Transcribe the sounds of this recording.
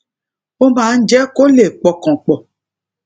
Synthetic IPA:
o˦mã˨˦n̩˦d͡ʒɛ˦ko˦le˨k͡pɔ˨kɔ̃˨k͡pɔ˨

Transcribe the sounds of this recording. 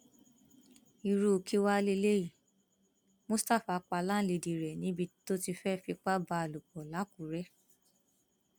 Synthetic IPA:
i˨ɾu˧˨kʰi˧wa˦le˧le˦i˦˨ | mo˦sta˦˨fa˧k͡pa˧la˦le˨˧di˨˧ɾɛ˨nĩ˦bi˧to˦ti˧fɛ˦fi˧k͡pa˦ba˧a˨lu˨k͡pɔ˨la˨˦ku˨ɾɛ˦

